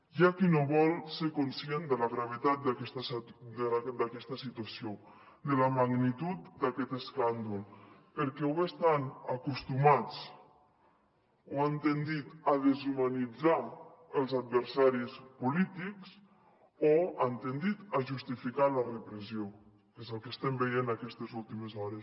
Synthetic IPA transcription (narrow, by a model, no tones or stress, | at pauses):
ʒakinoβɔlˠsekonsiend̪əlaɣɾaβ̞et̪at̪̚d̪akɛst̪s | d̪akɛst̪asit̪uasjo | d̪əlamaɡnit̪ut̪d̪akɛt̪eskand̪ulpəɾkɛwest̪anakust̪umat͡s | oant̪end̪it̪aðezumanid͡za | əlˠzad̪̚βeɾsaɾispulit̪iks | oant̪end̪it̪aʒust̪ifikalarepɾezjo | kezəlˠkest̪ɛmbejenakɛst̪ezulˠt̪imezɔɾes